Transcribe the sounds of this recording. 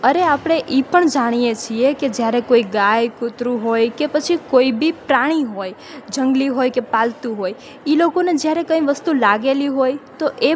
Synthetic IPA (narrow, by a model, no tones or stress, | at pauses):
əɾeapɽ̃eʔipəɳd͡ʒaɽ̃ijet͡ʃʰieked͡ʒjaɾekoiɡajkʊt̪ɾuɦojkepət͡ʃʰikoibipɾaɽ̃iɦoj | d͡ʒəŋɡliɦojkepalt̪ũɦoj | ilokoned͡ʒjaɾekə̃ĩʋəst̪ulaɡeliɦojt̪oʔe